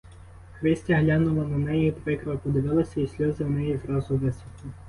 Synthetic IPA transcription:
xɾɪsʲtʲɐɦlʲɑnʊʋˠɐnɐnɛjipɾɪkɾʋɐpɔd̪ɪʋɪlˠɐsʲɐisʲlʲɔzɪwnɛjizɾɑzʊʋɛsʲʋʲit̪ʊ

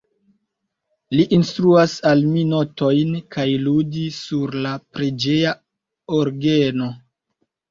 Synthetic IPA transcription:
liʔːnstɾuasalmino̞to̞jnkajludisuɾlapɾed͡ʒe̞ja | oɾɡeno̞

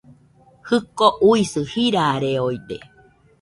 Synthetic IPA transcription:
hɨkoʔuisɨhiɾaɾeoid̪e

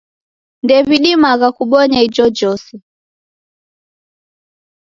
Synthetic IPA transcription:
ndɛviɗimaɣakuɓɔɲaid͡ʒɔd͡ʒɔsɛ

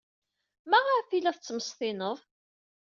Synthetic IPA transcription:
mæʁəɾfilæθt͡sːəməst̪ɪnəðˤ

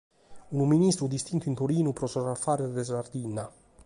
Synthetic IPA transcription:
unuminist̪ɾud̪ist̪int̪uint̪oɾiːnupɾɔsɔrafːaːɾed̪ɛsard̪iːnːa

